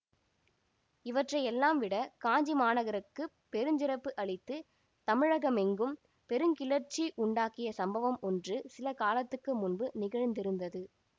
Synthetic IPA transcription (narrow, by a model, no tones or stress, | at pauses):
ɪʋɐʈrɐɪɛlːaːmʋɪɽɐkaːɲd͡ʒimaːnɐɣɐɾɯkːɯ | pɛɾɯɲd͡ʒɪɾɐpːɯʔɐɭɪt̪ːɯ | t̪ɐmɪɻɐɣɐmɛŋɡɯm | pɛɾɯŋkɪlɐɾt͡ʃːiʔʊɳɖaːkɪjɐsɐmbɐʋɐmɔndrɯsɪlɐkaːlɐt̪ːɯkːɯmʊnbɯnɪɣɐɻnd̪ɪɾɯnd̪ɐðɯ